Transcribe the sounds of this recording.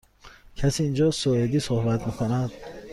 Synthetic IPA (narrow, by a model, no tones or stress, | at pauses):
kʰasiind͡ʒɔsɔed̪isuhbat̪mekʰunad̪